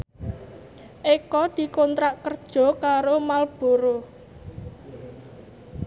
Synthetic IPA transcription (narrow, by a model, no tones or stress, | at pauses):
ʔekɔd̪̥i̤kɔnt̪ɾaʔkərd̥ʒ̥ɔ̤kaɾomalb̥o̤ɾo